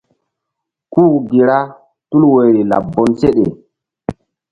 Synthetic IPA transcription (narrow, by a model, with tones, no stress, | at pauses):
kuː˦˨ɡi˨ɾa˦ | tu˦lwo˨jɾi˨la̰˨bːo˨nse˦ɗe˨